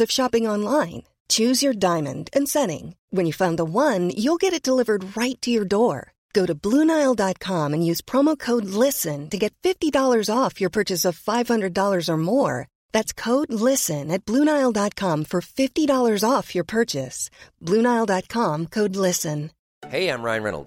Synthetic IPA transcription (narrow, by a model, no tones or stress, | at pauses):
ʌv̥ʃɑpɪ̃ŋɑ̃nlãɪ̃n | t͡ʃʰʉzjə˞dãɪ̃mɨ̰̃ndɨ̃nsɛɾɪ̰̃ŋwɨ̃njɨfãʊ̃nðəwʌ̃njulˠɡɛɾɨt̚d̥əlɪvə˞d̚ɹaɪtʰɨjə˞dɔɹ | ɡ̥oʊɾɨblunaɪl̩ˠdɑt̚kʰɑ̃mɨ̃njʉz̥pʰɹ̥ɑmoʊkʰoʊdˡlɪsɨ̃ntɨɡɛtfɪftidɔlˠə˞zɔfjə˞pʰɜ˞t͡ʃɨsʌv̥faɪv̥hʌ̃ndɹɨdɔlˠə˞zə˞mɔɹ | ðætskʰoʊdˡlɪsɨ̃nɨt̚b̥lũnaɪlˠdɑt̚kʰɑ̃ɱfə˞fɪftiɾɔlˠə˞zɔfjə˞pʰɜ˞t͡ʃɨsb̥lʉ̃ñaɪl̩ˠdɑt̚kʰɑ̃mkʰoʊdˡlɪsɨ̃n | heɪãɪ̃mɹã̰ɪ̃nɹɛ̰nl̩ˠd̥